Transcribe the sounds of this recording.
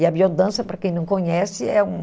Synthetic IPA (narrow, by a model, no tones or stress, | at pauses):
ɪɐbiod̪ɐ̃sɐpɾɐkẽj̃nɐ̃w̃kõɲɛsɪɛũ